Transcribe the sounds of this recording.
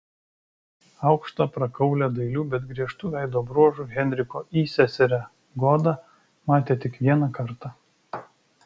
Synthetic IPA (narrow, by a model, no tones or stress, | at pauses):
ɐʊkʃt̪ɑpɾɐkɐʊlʲɛd̪ɐɪlʲuːbʲɛt̪ɡɾʲiɛʃt̪uːʋʲæˑɪd̪oːbɾuɔʒuːɣʲɛnʲɾʲɪkoːʔiːsʲɛsʲɛɾʲæ | ɡɔd̪ɐ | mɑːt̪ʲeːt̪ʲɪkʋʲiɛnɐkɐɾt̪ɑ